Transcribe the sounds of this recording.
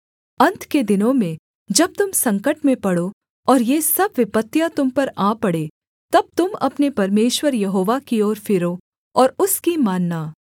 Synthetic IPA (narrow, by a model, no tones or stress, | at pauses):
ɐ̃nt̪ʰked̪ɪnõmẽ | d͡ʒɐb̚t̪ʊmsɐ̃ŋkəʈmẽpɐɽo | ɔːɾjesɐbʋɪpət̪ːjãt̪ʊmpɐɾaːpɐɽeː | t̪ɐb̚t̪ʊmɐ̰pnepɐɾmeːʃwəɾjɐɦoːʋakiɔːɾfɪɾoː | ɔːɾʊskimaːnːaː